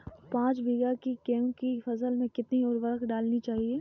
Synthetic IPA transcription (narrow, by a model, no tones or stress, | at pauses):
pãːt͡ʃbʱɪɡakikeːmkifɐsəlmẽkɪt̪niʊɾʋɐɾkɖaːlnit͡ʃaːɦieː